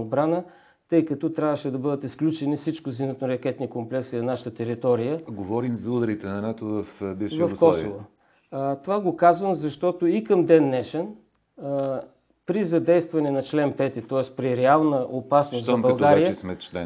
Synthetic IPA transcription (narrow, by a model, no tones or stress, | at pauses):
bɾanə | t̪ɤjkɐt̪ɔt̪ɾʲavəʃɛd̪ɐbɤd̪ət̪isklʲut͡ʃɛnifsit͡ʃkʊzinət̪noɾɐk̟ɛt̪nikomplɛksinɐnaʃə̥t̪ət̪ɛɾit̪ɔɾijəɡovɔɾimzɐud̪ɐɾit̪ɛnɐnat̪ovɐfbiʃvɐfkɔsovo | t̪ovaɡokazvəmzɐʃt̪ɔt̪oikɐmd̪ɛnːɛʃɛn | pɾizɐd̪ɛjst̪vɐnɛnɐt͡ʃlɛnpɛt̪it̪ɔɛspɾiɾɛalˠnəʔopasnʊst̪zɐbɐlˠɡ̪ɡaɾijəsmɛt͡ʃlɛ̰